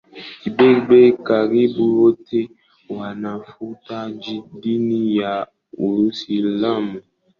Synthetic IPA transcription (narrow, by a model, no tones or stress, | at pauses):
ibebekaɾibuotʰe | oanãfutad͡ʒidinĩja | uɾusilamũ